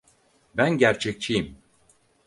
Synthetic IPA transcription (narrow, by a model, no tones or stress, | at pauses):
bænɟæɾt͡ʃʰɛc̚t͡ʃʰijim